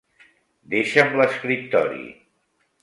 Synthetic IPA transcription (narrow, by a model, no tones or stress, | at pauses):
d̪eʃəmləskɾip̚t̪ɔɾḭ